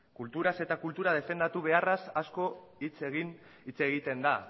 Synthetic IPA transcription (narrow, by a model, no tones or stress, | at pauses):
kult̪uɾase̞t̪akult̪uɾað̞e̞fe̞nd̪at̪uβ̞e̞arasasko̞ | it͡seɣin | it͡se̞ɣit̪e̞nd̪a